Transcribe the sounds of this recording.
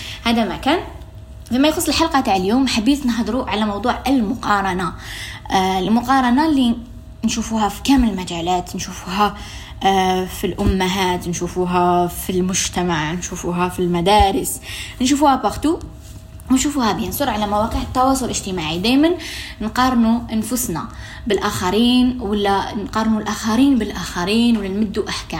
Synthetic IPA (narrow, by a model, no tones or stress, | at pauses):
hæd̪æmækæn | fimæjxʊsˤːəlħɑlqɑt̪aʕəljumħabisˤnəɦd̪ɾuʕalæmɑwd̪ˤuːʕəlmʊqɑɾˤɑna | lmʊqɑɾˤɑnali | nʃufuhæfi̥kæmələlmæʒælæt̪nʃufuɦæ | filʔʊmːaɦæt̪nʃufuɦæfilmʊʒt̪æmaʕnʃufuɦæfilmæd̪ɑːɾəsnʃufuhæbaxt̪u | wnʃufuhæbjənsˤʊɾˤʕalæmawæqiħət̪ːɑwɑːsˤʊlʔəʒt̪əmaʕid̪æjmənnqɑɾˤnuʔanfʊsna̰ | bəlʔaːxɑɾiːnwəlːænqɑɾˤnulʔaːxæɾiːnbəlʔaːxæɾiːnwəlːænmʊd̪ːuʔaħkæːm